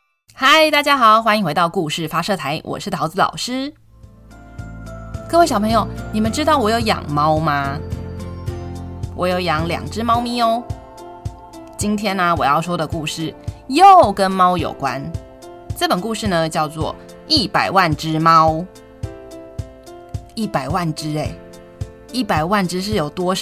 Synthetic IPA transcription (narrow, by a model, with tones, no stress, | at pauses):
xa˥˩ɪt̪a˥˩t͡ɕja˥xɑ˨˩ʊxwa˥ni˧ŋxwe˧˥ɪt̪ɑ˥˧ʊku˥˧ʂɻ̩˥˩fa˧˥ʂɤ˥˨˩t̪ʰa˧˥ɪwʔɔ̰˨˩ʂɻ̩˥˩t̪ʰɑ˧˥d͡zɹ̩˧lɑ̰˨˩ʊʂɻ̩˥ | kɤ˥˧we˥˩ɕɑ˨˩ʊpʰɤ˧˥ŋjo˨˩ʊni˨˩mə˨nʈ͡ʂɻ̩˥t̪ɑ˥˩ʊwɔ˨˥jo˧˥ʊjɑ̰˨˩ŋmɑ˦˥ʊma˨ | wʔɔ˧˥jo˧˩ʊjɑ˧˥ŋljɑ̰˨˩ŋʈ͡ʂɻ̩˥mɑ˥ʊmi˧˥o˧ | t͡ɕi˦nt̪ʰjɛ˥na˨wɔ˨˩jɑ˥˩ʊʂwɔ˥d̪ə˨ku˥˧ʂɻ̩˥˩jo˥˨ʊkə˦nmɑ˥ʊjo̰˨˩ʊkwa̰˦n | ʈ͡ʂɤ˥˩pə˨˩nku˥˧ʂɻ̩˥˩nə˩˧t͡ɕjɑ˥˧ʊt͡swɔ̰˥˩ | i˥˩pa˨˩ɪwa˥˨nʈ͡ʂɻ̩˥mɑ˦ʊ | i˥˩pa˨˩ɪwa˥˩nʈ͡ʂɻ̩˥e˨˩ɪ | i˥˩pa˨˩ɪwa˥˩nʈ͡ʂɻ̩˥ʂ̬ɻ̩˥˩jo˨˩ʊt̪wɔ˥ʂ